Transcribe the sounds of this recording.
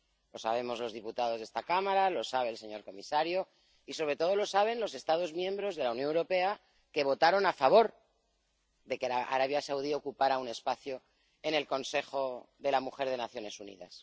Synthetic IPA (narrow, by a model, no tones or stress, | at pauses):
lo̞saβ̞e̞mo̞zlo̞zðiput̪að̞o̞zðest̪akamaɾalo̞saβ̞e̞ːlse̞ɲo̞ɾko̞misaɾjo̞ | iso̞βɾe̞t̪o̞ðo̞lo̞saβ̞e̞nlo̞s̬e̞st̪að̞o̞zmjẽ̞mbɾo̞zðe̞lauwnjonewɾo̞pe̞a | ke̞β̞o̞t̪aɾo̞nafaβ̞o̞ɾ | ðe̞keaa̰ɾaβ̞jasauðio̞kupaɾaune̞spaθjo̞ | e̞ne̞lko̞nse̞xo̞ðe̞lamuxe̞ɾðe̞naθjo̞ne̞sunḭða̰s